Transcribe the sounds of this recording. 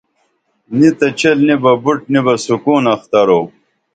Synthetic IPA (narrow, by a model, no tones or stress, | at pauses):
nit̪ɐt͡ɕelnibɐbuʈ̚nibɐsukuːnɐxt̪ɐɾoː